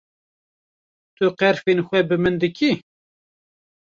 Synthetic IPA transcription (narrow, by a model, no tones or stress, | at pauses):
t̪ʰʊqɛɾfenxʷɛbɨmɨnd̪ɨkʰʲi